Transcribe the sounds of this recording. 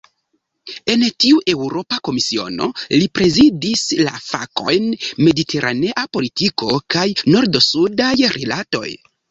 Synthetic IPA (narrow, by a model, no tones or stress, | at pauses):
e̞ntiuʔe̞wɾo̞pako̞misio̞̰no̞̰lipɾe̞zidisla̰fa̰ko̞̰jnme̞ditʰe̞ɾʔa̰ne̞ʔapo̞litiko̞kajno̞ɾdo̞sudajɾḛlato̞̰j